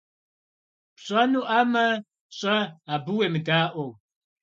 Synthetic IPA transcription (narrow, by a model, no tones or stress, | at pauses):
pɕʼɐnuːʔaːmɐ | ɕʼɐabɨweːmɨdaːʔʷow